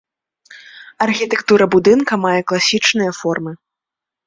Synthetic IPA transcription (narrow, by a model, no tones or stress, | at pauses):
ɐrxʲit̪ɛkt̪uɾɐbud̪ɨnkɐmajɛklˠasʲit͡ʂnɨjɐfɔrmɨ